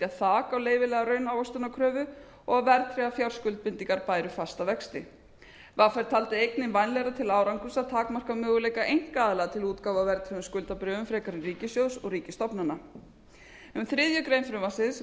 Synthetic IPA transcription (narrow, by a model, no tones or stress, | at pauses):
aθaːkawleːjvɪlɛɣaɾœːɥnaːwast̪ʏnakʰɾœːvʏ | ɔɣaðvɛɾt̪ʰɾɛːɣafjawr̥skʏlt̪̚pɪnt̪iŋkaɾpaːjɾʏfast̪avɛkst̪ɪ | vaːfɛɾ̥t̪ʰaːlt̪ɪejknɪnvajnlɛɣɾat̪ʰɪlaːwɾaŋkʏsaðt̪ʰaːkmar̥kamœːɣʏleːjkaʔejŋ̥kaːðɪlɛɣat̪ʰɪluːt̪kaːwvavɛɾt̪ʰɾɛðʏmskʏlt̪apɾœːvʏmfɾɛːkaɾɪnriːcɪsjowsɔɣriːcɪst̪ɔpnana | ʏmθɾɪðjʏkɾejnfɾʏmvansɪðs